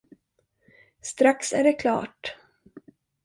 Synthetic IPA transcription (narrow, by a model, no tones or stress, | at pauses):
st̪ɾaksæɖɛkʰlɑ̰ːʈ